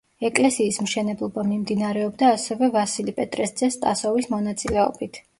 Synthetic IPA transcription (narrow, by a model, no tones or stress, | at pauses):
ɛkʼlɛsiːsmʃɛnɛblˠɔbamimd̪inaɾɛɔbd̪aːsɛvɛvasilipʼɛt̪ʼɾɛsd̪zɛst̪ʼasɔvismɔnat̪sʼilɛɔ̰bit̪ʰ